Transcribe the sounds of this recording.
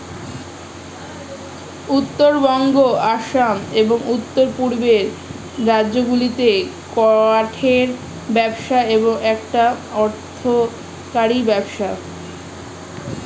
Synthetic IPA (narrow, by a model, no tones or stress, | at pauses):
ut̪ːoɾbɔŋɡoaʃameboŋut̪ːoɾpuɾbeɾ | ɾadːʑoɡulit̪e | kɔaʈʰeɾ | bɛbʃaeboŋɛkʈaɔɾt̪ʰo | kaɾibɛbʃa